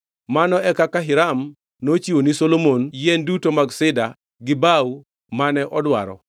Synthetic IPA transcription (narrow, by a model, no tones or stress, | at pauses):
manɔɛkakaɦɪɾam | not͡ʃiwonisolomonjɛndutomaɡsɪda | ɡɪbau | manɛʔɔdwa̰ɾɔ̰